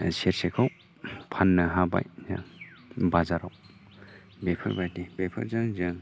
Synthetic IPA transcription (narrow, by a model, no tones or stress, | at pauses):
seɾsekʰaw | pʰanːɯɦaba̰jza̰ŋbazaɾaw | bepʰɯ̰ɾbajdibepʰɯ̰ɾzɯŋzɯŋ